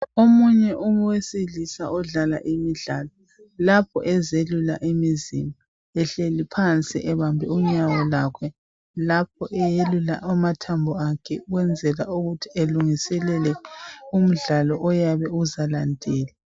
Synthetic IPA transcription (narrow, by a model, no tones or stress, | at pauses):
omuɲɛʔuweselisaɔɮala̰ʔimiɮaːlɔ | lapʰɔ̰ʔɛzelula̰ʔimizḭma | ɛɬelipʰant͡sʼḭʔɛβambʱɛuɲawɔlakʰɛ | lap̚ʰɔʔɛjelula̰ʔamatʰambʱɔakʰɛɣwɛnd͡zʱɛla̰uɣutʰieluŋisɛlɛlɛum̩ɮalɔʔɔjaβɛuzalandʱɛːla